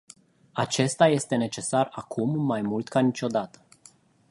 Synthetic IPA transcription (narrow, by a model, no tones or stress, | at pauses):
at͡ʃe̞st̪aje̞st̪e̞ne̞t͡ʃe̞sarakʰumːajmult̪kanit͡ʃʲo̞d̪at̪ə̥